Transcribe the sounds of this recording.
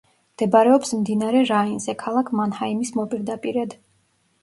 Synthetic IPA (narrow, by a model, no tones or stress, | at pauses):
md̪̥ɛbɾɛɔpsmd̪inaɾɛɾainzɛkʰalˠakʰmanhaimismɔpʼiɾd̪apʼiɾɛd̪